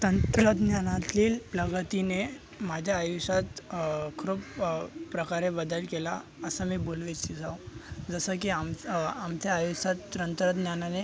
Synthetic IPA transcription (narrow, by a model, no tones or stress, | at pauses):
t̪ənt̪ɾəd̪njanat̪iːlpləɡt̪ine | mad͡ʑʱjaːjusat̪kʰɾopːɾəkaɾebəd̪əlkelaəsəmiːbolʋet͡ɕid͡zawd͡zəsək̬iamamt͡saːjusat̪ːɾənt̪ɾəd̪njanane